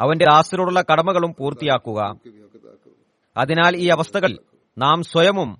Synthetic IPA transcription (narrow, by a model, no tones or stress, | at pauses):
ɐʋɐnde̞d̪aːsiluɽuɭːɐkɐɽɐmɐɣɐɭumpuːrt̪ːijaːkːuɣɐ̰ | ɐ̰ðinaːliːɐʋɐst̪ʰɐɣɐl | naːmswɐjɐmum